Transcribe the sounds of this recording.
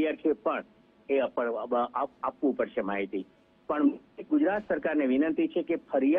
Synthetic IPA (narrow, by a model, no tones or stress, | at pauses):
jaɾkʰepəɳ | epəaapʋũpəɾʃemaɦit̪i | pəɳmeɡʊd͡ʒɾat̪səɾkaɾneʋɪnənt̪it͡ʃʰekefʰəɾija